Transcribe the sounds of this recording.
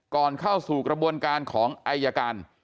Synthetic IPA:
kɔː˨˩nkʰa˥˩wsuː˨˩kɾa˧bu˧ənkaː˧nkʰɔː˩˦ŋʔa˧jːaː˧kaː˧n

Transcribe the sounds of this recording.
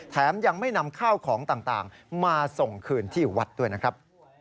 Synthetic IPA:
t̪ʰɛː˩˦˥mja˧ŋma˥˩jna˧mkʰaː˥˩wkʰɔː˩˦ŋt̪aː˨˩ŋt̪a̰ː˨˩ŋmaː˧so˨˩ŋkʰɯː˧nt̪ʰiː˥˩wa˦˥t̪̚du˥˩əjna˦˥kʰɾa˦˥p̚

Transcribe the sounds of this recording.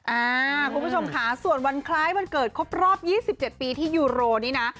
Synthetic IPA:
ʔaː˧˩kʰu˧nmpu˦˥˩t͡ɕʰo˧mkʰaː˦˥˦su˨˩ənwa˧nkʰlaː˦˥jma˧nkɤː˨˩t̪̚kʰo˦˥p̚ɾɔː˥˩p̚jiː˥˩si˨˩p̚t͡ɕe˨˩t̪̚piː˧t̪ʰiː˥˩juː˧ɾoː˧niː˦˥˩na˦˥

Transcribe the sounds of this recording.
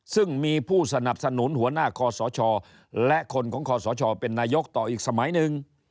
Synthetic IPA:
sɯ˥˩ŋmiː˧pʰuː˥˩sa˧na˨˩p̚sa˧nuː˩˦nhu˨˩˦ɐnaː˥˩kʰɔː˧sɔː˩˦t͡ɕʰɔː˧ | lɛ˦˥ʔkʰo˧nkʰɔː˩˦ŋkʰɔː˧sɔː˩˦t͡ɕʰɔː˧pe˧nːaː˧jo˦˥k̚t̪ɔː˨˩ʔiː˨˩k̚sa˧ma˩˦jnɯ˨˧ŋ

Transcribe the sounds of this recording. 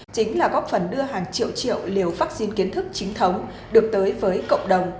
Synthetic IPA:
t͡ɕï˨˦ŋ̟laː˨˩ɣɔː˦˥p̚fə˨˩nɗɨ˧əɦaː˨˩ŋt͡ɕḭ˧˨əwt͡ɕḭ˧˨əwli˨˩əwvaː˦˥k̚si˧nki˨˦ənt̪ʰɨ˦˥k̚t͡ɕï˨˦ŋ̟t̪ʰə˨˦wŋ͡m | ɗɨ˨˩ək̚t̪əː˨˦jvəː˨˦jkə̰˧˨wŋ͡mɗə˨˩wŋ͡m

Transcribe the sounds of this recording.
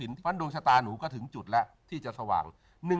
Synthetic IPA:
i˩˦nt̪ʰːa˥˩ndo˧ŋt͡ɕʰa˧t̪aː˧nuː˩˦kɔː˥˩t̪ʰɯ˩˦ŋt͡ɕu˨˩t̪̚lɛ˦˥ʔt̪ʰiː˥˩t͡ɕa˨˩sa˧wa̰ː˨˩ŋ | nɯ˨˩

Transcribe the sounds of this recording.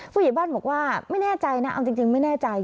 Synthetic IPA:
pʰuː˥˩jiː˨˩˦baː˥˩nbɔː˨˩˦k̚waː˥˩ma˥˩jnɛː˥˩t͡ɕa˧jna˦˥ʔa̰˧wt͡ɕi˧ŋt͡ɕi˧ŋma˥˩jnɛː˥˩t͡ɕa˧j

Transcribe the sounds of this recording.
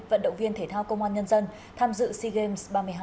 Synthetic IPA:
və̰˧nɗə̰˧˨wŋ͡mvi˧ənt̪ʰe˧˩t̪aː˧wkə˧wŋ͡mʔaː˧nɲə˧nzə˧n | t̪ʰaː˧mzɨ̰˧˨si˧ɣe˧msɓaː˧mɨ˧əj

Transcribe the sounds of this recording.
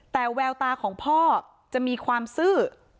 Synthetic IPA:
t̪ɛː˨˩wɛː˧wt̪aː˧kʰɔː˩˦ŋpʰɔː˥˩ | t͡ɕa˨˩ʔmiː˧kʰwaː˧msɯː˥˩

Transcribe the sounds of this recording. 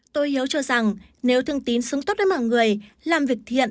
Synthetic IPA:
t̪o˧jhi˨˦əwt͡ɕɔː˧za˨˩ŋ | ne˨˦wt̪ʰɨ˧əŋt̪i˨˦nsɨ˨˦ŋ͡mt̪o˦˥t̚ɗjmɔ̰ː˧˨˩ŋɨ˨˩əjlaː˨˩mvi˨˩ək̚t̪ʰḭ˧˨ən

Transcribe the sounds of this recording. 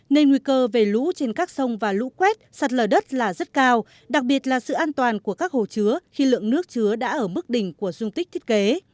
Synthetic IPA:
ne˧nŋwi˧kəː˧ve˨˩lṵ˧˥t͡ɕe˧nkaː˦˥k̚sə˧wŋ͡mvaː˨˩lṵ˧˥kwɛ˦˥t̚sə˨˩t̚ləː˨˩ɗə˦˥t̚laː˨˩zə˦˥t̚kaː˧w | ɗa˨˩k̚ɓi˨˩ət̚laː˨˩sɨ̰˧˨ʔaː˧nt̪waː˨˩nku˧˩əkaː˦˥k̚ho̰˧˨t͡ɕɨ˨˦əxi˧lɨ̰˧˨əŋnɨ˦˥ək̚t͡ɕɨ˨˦əɗa̰ː˧˥ʔəː˧˩mɨ˦˥k̚ɗï˨˩ŋ̟ku˧˩əsɨ˧ŋ͡mt̪ï˦˥k̚t̪ʰt̚ke˨˦

